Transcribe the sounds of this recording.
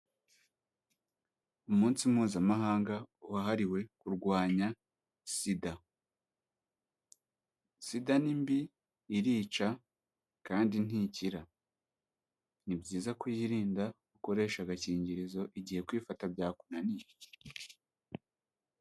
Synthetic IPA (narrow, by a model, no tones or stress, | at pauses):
umuːnsimuːzamaɦaːŋɡauhaɦaɾiwe̞kuɾɡwaːɲa | sida | sidanimbiː | ɾiːt͡ʃa | kaːndin̥iciɾa | nibɟiːzakwujiɾiːnda | uko̞ɾe̞ʃaɡaciːɲɟiɾizo̞ʔiɟihe̞kwiːfatabjaːkunanij